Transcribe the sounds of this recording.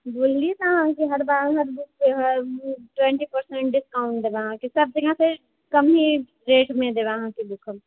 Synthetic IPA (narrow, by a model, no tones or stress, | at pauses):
boːlːiet̪oɦãkiɦɐɾbaːɾɦɐɾd̪ʊkʰeɦɐɾʈwɛ̃ɳʈipəɾsɛ̃ɳʈɖɪskaːʊ̃ɳʈ̚d̪ebaɦãkisɐb̚d͡ʒɐɡʱãse | kɐmɦi | ɾeːʈmẽd̪eːbaɦãkid̪ukʰəm